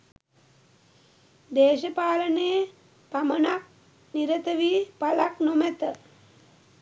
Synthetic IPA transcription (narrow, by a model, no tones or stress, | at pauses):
d̪eːʃəpaːləneː | pamənak̚ | niɾət̪əʋipalaknomɛt̪ə